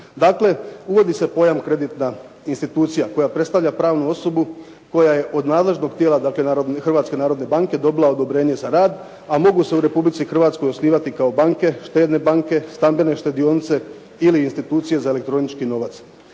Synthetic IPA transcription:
d̪aːkle̞uʋo̞d̪ise̞po̞jamkɾe̞d̪it̪na | inst̪it̪uːt̪sijako̞japɾe̞t̪st̪aʋʎapɾaːʋnuo̞so̞bu | ko̞jaje̞ʔo̞d̪naːd̪le̞ʒno̞ɡ̚t̪jeːlˠad̪aːkle̞naːɾod̪nxr̩ʋaːt̪ske̞naːɾo̞d̪nebaːŋke̞d̪o̞bilˠao̞d̪o̞bɾe̞ːɲe̞zaɾaːd̪ | amo̞ɡuse̞uɾe̞publit̪sixr̩ʋaːt̪sko̞jo̞sniːʋat̪ikao̞baːŋke̞ʃt̪e̞ːd̪ne̞baːŋke̞st̪ambe̞ne̞ʃt̪e̞d̪io̞nit̪se̞ | iliːnst̪it̪uːt̪sije̞zaele̞k̚t̪ɾo̞nit͡ʃkino̞ʋat̪s

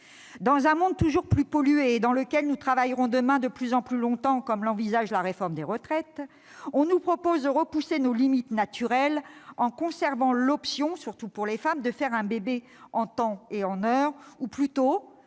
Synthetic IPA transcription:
d̪ɑ̃zɛ̃mɔ̃d̪̚t̪uʒuʁplypɔlyeːd̪ɑ̃ləkʲɛlnut̪χavajʁɔ̃d̪əmɛ̃d̪əplyzɑ̃plylɔ̃t̪ɑ̃kɔmlɑ̃vizaʒlaʁefɔʁmd̪eʁət̪χɛt̪ | ɔ̃nupχɔpozd̪əʁəpusenolimit̪nat̪yʁɛlɑ̃kɔ̃sɛʁvɑ̃lɔpsjɔ̃syʁt̪upuʁlefamd̪əfɛʁɛ̃bebe | ɑ̃t̪ɑ̃eɑ̃nœʁuplyt̪o

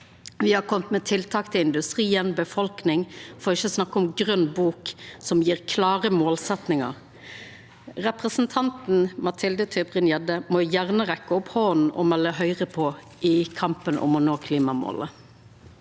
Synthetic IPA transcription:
ʋɪhɑkʰɔmt̪mɛt̪ʰɪlt̪ʰɑːkt̪ʰɪlɪnd̪ʉst̪ʁiːənbəfɔlknɪŋfɔːʁɪçːəsnɑkːəɔmɡʁœnːbuːksɔmjiːʁkʰlɑːʁəmoːlsɛt̪nɪŋɑ̰ʁ | ʁɛpʁəsn̩t̪ʰɑnt̪n̩mɑt̪ʰɪld̪ət̪ʰœbʁɪnjɛd̪əmɔjæʁnəʁɛkːəɔphoːn̩ɔ̰mɛlːəɦœʏʁəpʰɔ | ʔɪkʰɑmpənʔɔ̰mɔnoːkʰliːmɑmo̰lə

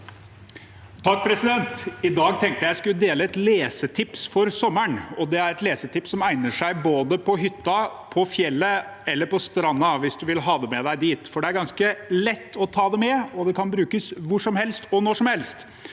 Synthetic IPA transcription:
t̪ʰɑk̚ːpʰɾɛsɪd̪ɛnt̪ɪd̪ɑːɡ̚t̪ʰɛŋk̚t̪əjæɪskʉlːd̪eːləɛt̪leːsət̪ʰɪpsfɔɾsɔmːəɳɔd̪ɛæɾɛt̪leːsət̪ʰɪpsːɔmæɪnəʂæɪboːd̪əpʰɔɦʏt̪ːɑpʰɔfjɛlːəɛlːəɾpɔst̪ɾɑnːɑʋɪsd̪ʉʋɪlɦɑːd̪ɛmɛd̪æɪd̪iːt̪fɔɖɛæɾɡɑnskəlɛt̪ːɔt̪ʰɑːd̪ɛmɛɔd̪ɛkʰɑnbɾʉːkəsʋʊʂɔmhɛlst̪ɔnɔʂɔmhɛlst̪

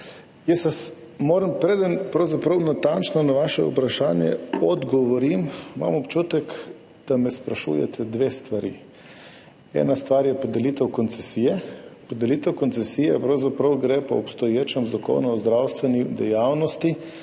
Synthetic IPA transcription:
jɛsʋas | moːɾəmpɾed̪ənpɾɐwzapɾəwnat̪ant͡ʃnɔnaʋaʃɛ̰ṵpɾaʃaːnjɛ̰ɔd̪ɡɔʋɔɾimima̰mɔpt͡ʃut̪ɛk | d̪̥amɛspɾaʃṵjɛ̰t̪ʰɛd̪ʋest̪ʋaɾḭ | ɛ̰ːnast̪ʋaɾjɛpɔd̪ɛlit̪ɛwkɔnt̪sɛsijɛpɔd̪ɛliːt̪ɛwkɔnt̪sɛsijɛpɾɐwzapɾɐwɡɾepɔ̰ːpst̪ɔjeːt͡ʃɛmzako̰ːnuɔzd̪ɾawst̪ʋɛnid̪ɛjawnɔst̪i

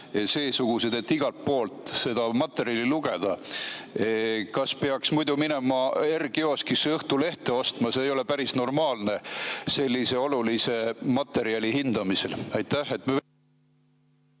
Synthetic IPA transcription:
se̞ːsuɡ̥use̞d̪̥e̞t̪ːiɡ̥ɑlt̪̚po̞ːlt̪ˑse̞d̪̥ɑmɑt̪ːˑe̞ɾiɑliluɡ̥e̞d̪̥ɑ | kɑspeɑksmujd̪umine̞mɑe̞rɡ̥eo̞ːskisɤht̪ule̞ht̪e̞o̞st̪mɑse̞ːjo̞le̞pæɾisno̞rmɑːlne̞se̞lʲːise̞o̞lulise̞mɑt̪ːˑe̞ɾiɑlʲiɦind̪̥ɑmise̞lɑjt̪ːæhːe̞t̪ːme

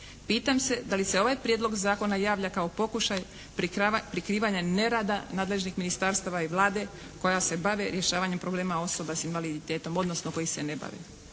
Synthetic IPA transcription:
piːt̪amse̞d̪alise̞o̞ʋajpɾjed̪lo̞ɡzaːko̞najaːʋlʎakao̞po̞kuʃaj | pɾikɾiːʋaɲane̞ɾaːd̪anaːd̪le̞ʒnixminist̪aɾst̪aʋaiʋlˠaːd̪e̞ | ko̞jase̞baʋeɾje̞ʃaːʋaɲe̞mpɾo̞ble̞ːmao̞so̞basinʋalid̪it̪eːt̪o̞mo̞d̪nosnoko̞jise̞ne̞ba̰ʋḛ

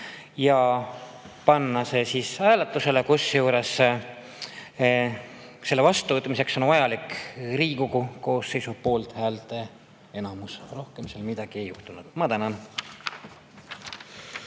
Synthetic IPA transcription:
jɑ | pɑnːɑse̞siːsæːlet̪ˑːuse̞le̞kusjuːɾe̞s | se̞lːevɑst̪uvɤt̪ːˑmise̞kso̞nvɑjɑlikriːkukuko̞ːsːe̞jsupo̞ːlt̪hæːlt̪e̞ | e̞nɑmusro̞hke̞mse̞lmid̪̥ɑɡ̥ie̞juht̪unud̪̥mɑt̪ænɑn

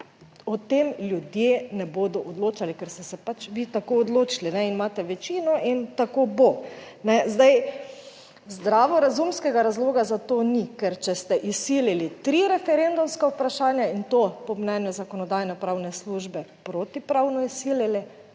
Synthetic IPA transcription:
ɔt̪emljud̪jenɛboːd̪ɔʔɔd̪loːt͡ʃalikɛɾst̪ɛsɛpat͡ʃʋit̪akoːd̪loːt͡ʃilinɛinmaːt̪ɛʋɛt͡ʃiːnɔʔint̪akoːbo | nɛzd̪aj | zd̪ɾaːʋɔɾazumskɛɡaɾazloːɡazat̪onikɛɾt͡ʃɛst̪ɛʔisililit̪ɾiɾɛfɛɾend̪umskaupɾaʃaːnjaint̪opɔmnɛnjuzakɔnɔd̪aːjnɛpɾawnɛsluʒbɛpɾoːt̪ipɾawnɔisililɛ

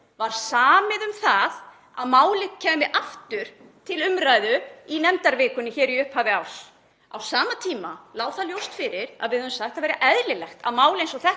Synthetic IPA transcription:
vaɾ̥saːmɪðʏmθað | aðmaːwlɪcʰɛːmɪʔaft̪ʏɾ̥t̪ʰɪlʏmɾaːjðʏinɛmt̪aɾvɪːkʏnːɪçɛːɾiʏhphaːvɪaws | a̰wsaːmat̪ʰiːma̰laːwθaljowst̪fɪɾɪɾa̰ðvɪðœðvʏmsaxt̪avɛɾaʔɛðlɪlɛxt̪a̰ðmaːwlejnsɔθɛ

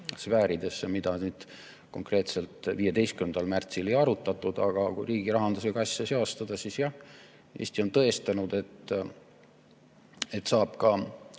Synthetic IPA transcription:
svæːɾid̪e̞sːemid̪ɑnyːd̪̥ | ko̞ŋkre̞ːt̪se̞lt̪viːje̞d̪e̞jskymnd̪ɑlmært̪sile̞jɑɾut̪ːˑɑt̪ːˑud̪̥ɑɡ̥ɑkujɾiːɡ̥iɾɑɦɑnd̪̥useɡɑsjɑseost̪ɑd̪̥ɑsisjɑh | e̞̰ːsʲt̪io̞nt̪ɤ̞est̪ɑnud̪e̞t̪ː | e̞t̪ːsɑːb̥kɑ

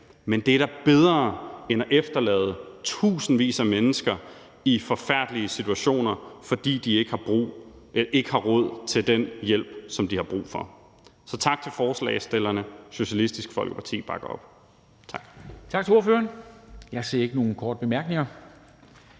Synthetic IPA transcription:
mend̥eæɾæb̥eð̞ˠʁɐːenæʔefd̥ɐlɛ̰ːð̞̩ˠət͡sʰṵːsn̩ʋḭːsæmenəsɡ̥ɐ | ifɒ̽fæɐ̰d̥liəsit͡sʰuæɕo̝̰ːnɐfɒ̽d̥ḭːd̥ie̝ɡ̥əhɑ̈b̥ʁṵː | ʔe̝ɡ̥əhɑ̈ʁɔ̽ð̞̰ˠt͡sʰe̝ld̥enjel̰b̥̚sɒ̽md̥ihɑ̈b̥ʁṵːfɒ̽ | sɒ̽t͡sʰɑ̈ɡ̥̚t͡sʰe̝lfɒːslɛ̰ɪsd̥elɐnəɕo̝ɕælisd̥isɡ̥fɒ̽lɡ̥ə̥pʰɑ̈t͡sʰḭːb̥ɑ̈ɡ̥ɐɒ̽b̥ | t͡sʰɑ̈ɡ̥t͡sʰɑ̈ɡ̥̚t͡sʰeo̝ɐføːɐnjɑ̈ɪse̝̰ɐe̝ɡ̥əno̝ːn̩kʰɒːdəb̥emæɐɡ̥ne̝ŋɐ

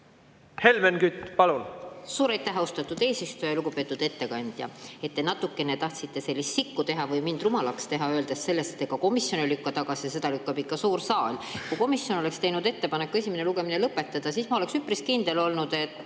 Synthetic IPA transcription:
he̞lmenkyt̪ːˑpɑlunsuːɾɑjt̪ːˑæɦost̪ɑt̪ːˑud̪̥e̞ːsist̪ujɑluɡ̥upe̞ːt̪ːˑud̪̥e̞t̪ːe̞kɑnʲd̪̥jɑ̰e̞t̪ːe̞nɑt̪ːukːˑe̞ne̞t̪ɑht̪sit̪ːe̞se̞lːist̪sikːut̪e̞ɦɑvɯjmind̪̥ɾumɑlɑkst̪e̞ɦɑø̞ːld̪̥esse̞lːe̞st̪et̪ːˑeɡ̥ɑko̞misjo̞nilykːɑt̪ɑɡ̥ɑsijɑse̞d̪̥ɑlykːɑbikːɑsuːɾsɑːlʲkujko̞misjo̞no̞le̞kst̪e̞jnud̪e̞t̪ːe̞pɑne̞kːesʲimeneluɡ̥e̞minelɤpːˑe̞t̪ːˑɑd̪̥ɑsismɑo̞le̞ksypːriskind̪̥e̞lo̞lnud̪̥e̞t̪ːˑ

